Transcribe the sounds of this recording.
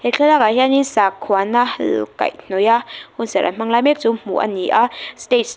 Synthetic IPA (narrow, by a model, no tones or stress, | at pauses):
hɛkʰɛlaːkahɛʔanisakʰːuanahlka̰jn̥ɔjahunsɛʔa̰m̥aŋlaːjmɛk̚t͡sum̥ṵʔa̰niʔastet̚